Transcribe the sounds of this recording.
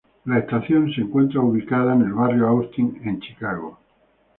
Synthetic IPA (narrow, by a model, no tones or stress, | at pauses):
laest̪aθjõ̞nseŋkwe̞nt̪ɾauβ̞ikaðaene̞lβarjoawst̪iŋẽ̞nt͡ʃi̥kaɣo